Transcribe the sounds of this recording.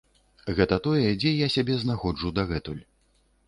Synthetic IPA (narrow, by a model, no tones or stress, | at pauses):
ɣɛt̪ɐt̪ɔjɛd͡zʲɛjasʲabʲɛznaxɔd͡ʐud̪ɐɣɛt̪ulʲ